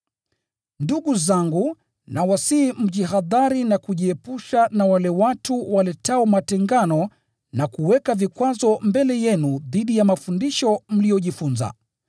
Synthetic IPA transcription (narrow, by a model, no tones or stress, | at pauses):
nduɠuzaŋɡu | nawasiːm̩ʄiɦaðaɾinakuʄiɛpuʃanawalɛwatuwalɛtaɔmatɛŋɡanɔ | nakuwɛkavikwazɔmbɛlɛjɛnuðiɗijamafundiʃɔm̩lijɔʄifunza̰